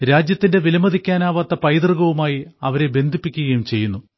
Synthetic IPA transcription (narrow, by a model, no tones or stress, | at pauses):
ɾaːd͡ʑjɐt̪ːinde̞ʋilɐmɐd̪ikʲːaːnaːʋat̪ːɐpɐjd̪rɨɣɐʋumaːjiɐʋɐɾe̞be̞nd̪ʱipːikʲːuɣɐjumt͡ɕe̞jːunːu